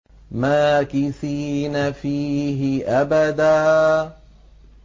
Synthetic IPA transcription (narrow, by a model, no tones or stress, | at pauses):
maːkɪθiːnafiːɦɪʔabad̪aː